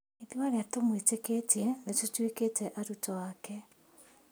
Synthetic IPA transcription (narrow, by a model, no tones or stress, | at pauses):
eðiwaɾeatomweteketɛnetotweketɛʔaɾutɔwakɛ